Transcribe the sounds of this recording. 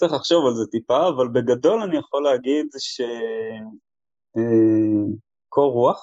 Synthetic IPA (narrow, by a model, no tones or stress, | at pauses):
t͡siχlaχʃo̞valzet̪ipaːvalbeɡado̞lanijaχoleaɡid̪ʃe | e | kʰoʁuaχ